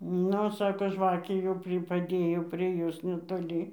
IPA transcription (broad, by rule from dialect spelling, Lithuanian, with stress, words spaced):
ˈnʊ ˈsɑːkoː ˈʒʋɑːkʲeː jɛʊ ˈpʲrʲɪ pɐˈdʲeːjoː pʲrʲiɛ ˈjoːs nʲɛtoːˈlʲiː